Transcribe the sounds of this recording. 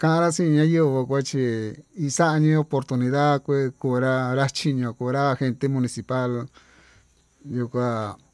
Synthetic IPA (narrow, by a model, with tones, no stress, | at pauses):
kã˦ʔã˧ɾa˦sĩ˦˧ɲã˦ju˦βo˧kʷa˦t͡ʃi˧i˧sa˦ʔa˧ɲĩ˦o˧po˧ɾt̪u˧nĩ˧ða˦kʷe˦ku˧˨ɾa˦ɾa˦t͡ʃi˧ɲõ˧ku˧˨ɾa˦xe˧nt̪e˦mũ˧nĩ˧si˧pa˦l | ju˧kʷa˦